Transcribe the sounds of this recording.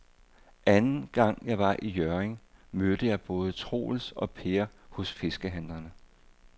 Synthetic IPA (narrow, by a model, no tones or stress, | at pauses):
ʔænn̩ɡ̥ɑ̈ŋ̰jɑ̈ɪʋɑ̈ʔijøɐeŋmød̥əjɑ̈ɪb̥ɔ̽ːð̞̩ˠət͡sʰʁo̝̰ːl̩sɒ̽pʰe̝ɐhɔ̽sfe̝sɡ̥əɦæn̰lɐnə